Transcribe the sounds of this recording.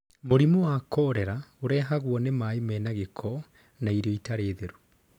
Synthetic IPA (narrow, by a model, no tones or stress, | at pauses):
moɾimowakɔːɾɛɾaoɾɛːɦaɣwɔnemaemɛːnaɣekʰɔ | naiɾɔitaɾeːðeɾu